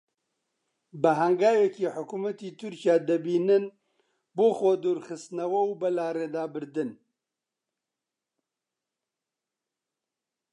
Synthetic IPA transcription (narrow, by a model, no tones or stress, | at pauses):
bɨɦɐŋɡaːjɛkiːħʊkumɐt̪iːt̪ʰʊɾkjaːd̪ɐbiːnɨn | boːxod̪uːɾxɨst̪nɐwɐwbɐlaːɾeːd̪aːbɨɾd̪ɨn